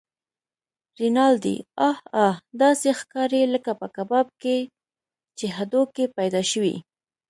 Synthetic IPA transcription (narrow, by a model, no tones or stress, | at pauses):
ɾinɑld̪ḭɑhɑhd̪ɑsexkɑɾeləkapəkabɑb̚ke | t͡ʃeɦad̪okepajd̪ɑʃəwḭ